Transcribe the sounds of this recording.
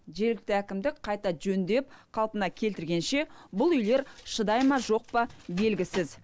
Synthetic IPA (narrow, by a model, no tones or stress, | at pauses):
ʒe̞ɾlɪk̚t̪ɪækʲɪmd̪ɪkqʰɑjt̪ɑʒɵnd̪e̞p̚qʰɑlˠpənɑkʲʰe̞lt̪ɪɾɡʲe̞nʃe̞bʊlˠʏjle̞ɾʃəd̪ɑjmɑʒo̞q̚pɑbe̞lɡʲɪsɪz